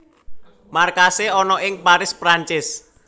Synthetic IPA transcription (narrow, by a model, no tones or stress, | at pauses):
markaseɔnɔʔɪŋpaɾɪspɾaɲt͡ʃɪs